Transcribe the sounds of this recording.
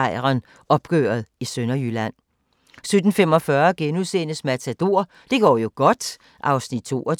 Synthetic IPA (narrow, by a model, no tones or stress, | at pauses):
ɪʁɐn | ɒ̽b̥ɡ̥ø̰ːɐð̩ˠisønɐjylæn̰ | sød̥n̩femɒ̽fɶɐɡ̥enuðˠsḛːnəsmæt͡sʰæd̥o̝ɐ̰ | d̥e̝ɡ̥ɒ̰ːjo̝ɡ̥ɒ̽d̥ | ʔɑ̈ʊsnid̥̚t͡sʰo̝̰ːɒ